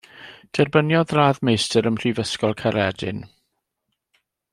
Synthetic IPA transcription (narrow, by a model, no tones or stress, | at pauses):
d̥ɛrbənjɔðraːðmejstəɾəmr̥ivəskɔlˠkʰaɾɛdɪ̰n